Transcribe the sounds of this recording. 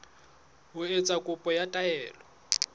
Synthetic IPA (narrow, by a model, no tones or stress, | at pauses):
ɦʊet͡sʼakʼʊpʼɔjatʼaɛːlɔ